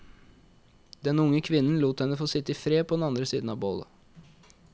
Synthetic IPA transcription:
d̪ɛnʊŋːəkʰʋɪnn̩luːt̪ɛnːəfoːsɪt̪ːɪfɾeːpʰɔd̪ɛnɑnd̪ɾəsiːd̪n̩ɑʋboːlə̰

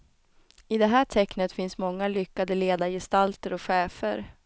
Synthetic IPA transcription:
ɪd̪ɛɦæːʈʰɛknət̪fɪnsmɔŋːalʏkːad̪əleːd̪ajɛst̪alt̪əɾɔkɧɛːfə̰ɾ

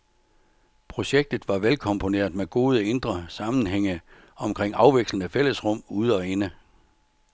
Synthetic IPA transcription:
pʰʁo̝ɕeɡ̥̚d̥ð̩ˠʋɑ̈ʋelkʰɒ̽mpʰo̝ne̝̰ɐðˠmeɡ̥o̝ːð̞ˠəe̝nd̥ʁɐsɑ̈mn̩ɦeŋ̰ə | ɒ̽mkʰʁeŋ̰ɑ̈ʊʋeɡ̥slənəfel̰əsʁɔ̽m̰uð̞ˠɒ̽enə

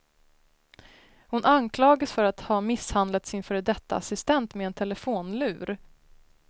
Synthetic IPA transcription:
hʊnʔankʰlɑːɡasfœɾat̪hɑːmɪshand̪lat̪sɪnfœːɾɛd̪ɛt̪ːa̰asɪst̪ɛnt̪meɛnt̪ʰɛlɛfoːnlʉ̟ːɾ

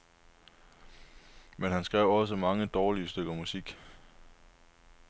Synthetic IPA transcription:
menɦænsɡ̥ʁɛʊ̰ɒ̽s̬əmɑ̈ŋəd̥ɒːliəsd̥øɡ̥ɐmusiɡ̥

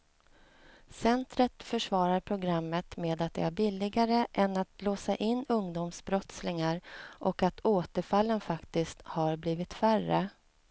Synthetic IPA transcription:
sɛnt̪ɾət̪fœʂvɑːɾaɾpʰɾʊɡɾamːət̪meːd̪at̪̚d̪ɛ̰æɾbɪlːɪɡaɾəʔɛnːat̪loːsaʔɪnːɵŋd̪umsbɾɔt̪slɪŋaɾʔɔkat̪ʰoːt̪əɾfalːənfakt̪ɪskt̪haɾbliːvɪt̪færə̰

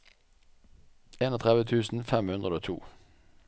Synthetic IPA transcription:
eːnoːt̪ʰʁɛʋət̪ʰʉːsn̩fɛmhʉnd̪ʁəoːt̪ʰṵː

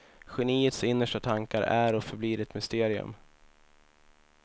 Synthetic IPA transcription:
ɧɛniːət̪sɪnːəʂʈat̪ʰaŋkaɾʔæɾɔfœɾbliːɾɛt̪mʏst̪eːɾɪɵ̰m

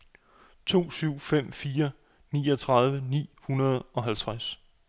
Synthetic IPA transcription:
t͡sʰo̝̰ːsyʊ̰fem̰fiːɐ | nḭːɒ̽t͡sʰʁɑ̈ð̞ˠʋənḭːhunɐð̞ˠɒ̽ɦælt͡sʰʁas

